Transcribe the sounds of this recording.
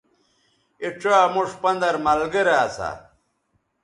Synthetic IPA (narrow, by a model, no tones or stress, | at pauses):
iʈ͡ʂaːmuʂpɐnd̪ɐɾmɐlɡɐɾeːt͡sʰa̰